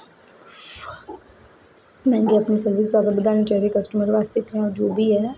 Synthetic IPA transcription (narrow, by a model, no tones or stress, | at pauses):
mɛ̃ːŋɡiɐpnisɐɾʋɪs̬d̪waːd̪abɐd̪aːnit͡ʃaːɦiekɐsʈəməɾʋaːst̪ekẽɔɾd͡ʒoːbʱiɦɛː